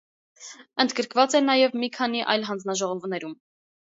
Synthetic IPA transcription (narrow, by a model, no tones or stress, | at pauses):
ənd̪ɡəɾkʰvɑt͡sɛnɑjɛvmikʰɑn̪iʔɑ̰jlɦɑnd͡znɑʒɔʁɔvnɛɾum